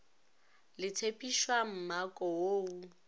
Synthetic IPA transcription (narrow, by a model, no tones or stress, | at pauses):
lɪtʰepʼiʃwam̩makʼɔoːu